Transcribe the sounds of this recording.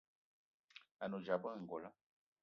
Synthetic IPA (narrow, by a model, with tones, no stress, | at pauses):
a˨nu˨d͡ʒa˨bə˦˨ŋ̩˨ɡɔ˨la˦